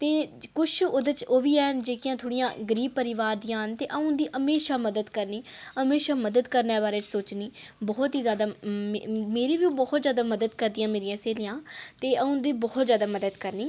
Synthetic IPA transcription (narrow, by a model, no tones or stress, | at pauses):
t̪eːkʊʃʰʊd̪ət͡ʃoːʋiːɛːd͡ʒeːkɪjãːt̪ʰoːɽijãːɡəɾiːb̚pəɾɪʋaːɾd̪ɪjãːɦənt̪eːʔəũnd̪iːʔəmeːʃaːməd̪əd̪kəɾniːəmeːʃaːməd̪əd̪kəɾneːbaːɾeːt͡ʃsoːt͡ʃniːbɔːt̪ɦiːzjaːd̪aː | meːɾiːʋĩːbɔːt̪zjaːd̪aːməd̪əd̪kəɾd̪ijãːmeːɾɪjãːseːlijãːt̪eːʔəʊ̃nd̪iːbɔːɔt̪zjaːd̪aːməd̪əd̪kəɾniː